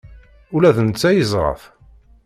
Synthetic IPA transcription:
ʊlæθənt͡sːæjəzˤʁˤɑ̰f

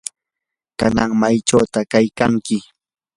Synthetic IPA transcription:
kanaŋmajʈ͡ʂawt̪akajkaŋkɪ

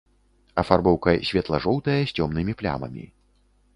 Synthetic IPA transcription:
ɐfarbɔwkɐsʲvʲɛt̪lˠɐʐɔwt̪ɐjɐsʲt͡sʲɔmnɨmʲiplʲa̰mɐ̰mʲḭ

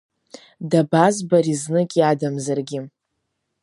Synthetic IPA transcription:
dabazbaɾiznɨkʲʼiadamzarɡʲɪ

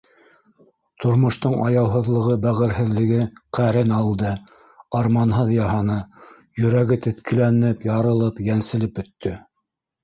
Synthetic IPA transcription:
t̪ʰŏɾmŏʃt̪oɴʔɑjɑwɦɤ̆ðlˠɤ̆ʁɤbæʁɘ̆ɾɦɘ̆ðlɘ̆ɡɘqæɾɘnɑlˠd̪ɤ | ɑɾmɑnɦɤðjɑɦɑnɤ | jɵ̆ɾæɡɘt̪ɘ̆t̪kʰɘ̆lænɘpjɑɾɤ̆lˠɤpjænsɘ̆lɘpɵ̆t̪ːɵ

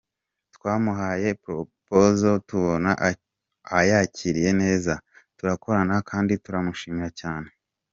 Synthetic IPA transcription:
tkwaːmuɦaːje̞pɾopozo̞tuβo̞na̰ʔ | ajaciɾije̞ne̞ːzatuɾako̞ɾanakʰaːndituɾamuʃiːmiɾacaːne̞

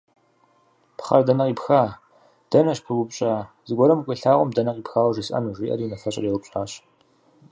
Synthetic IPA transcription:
pχɐrdɐnɐqiːpxaː | d̥ɐnɐɕpʰɨwʷʊpɕʼaː | zɨɡʷɔɾɐmkʷʼeɬaːʁʷɔmdɐnɐqiːpxaːwɐʒisʼɐ̰nuʒʷiːʔɐ̰ɾiːnɐfɐɕʼɐ̰riwʊpɕʼaːɕ

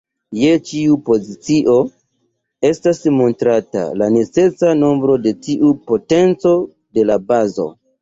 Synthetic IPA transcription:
jet͡ʃiupo̞zit͡siʔo̞ | e̞stasmo̞ntɾata̰lane̞t͡se̞sano̞mbɾo̞de̞tiʔupo̞te̞nt͡so̞ | de̞labazo̞̰

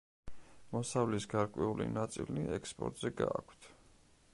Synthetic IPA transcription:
mɔsavlisɡaɾkʼwɛulḭnat̪sʼiliɛkspʼɔ̰ɾt̪ʼz̥ɛɡaakʷʰt̪ʰ

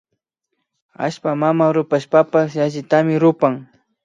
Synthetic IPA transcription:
a̰ʃpamamaɾʊpaʃpapasjaʒɪt̪amɪɾʊpaŋ

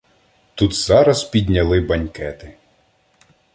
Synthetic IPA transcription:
t̪ut̪z̥ɑɾɐspʲid̪ʲnʲɐlˠɪbɐnʲkɛt̪ɪ

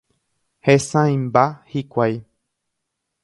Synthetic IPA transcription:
hesãj̃mbahikʷaj

